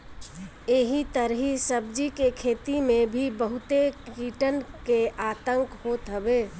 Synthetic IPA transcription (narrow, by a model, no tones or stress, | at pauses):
eɦit̪əɾɦisəbd͡ʒikekʰeːt̪imẽbʱibəɦʊt̪ekiːʈənkeʔaːt̪ə̃ŋkhoːt̪ɦəbeː